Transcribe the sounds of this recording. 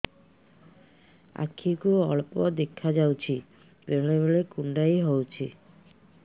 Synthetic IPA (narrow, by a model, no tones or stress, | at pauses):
a̰kʰːikuɔɭpod̪ekʰːad͡ʑawt͡ɕʰi | pɾeɾleβolekuɳɖajɦowt͡ɕʰi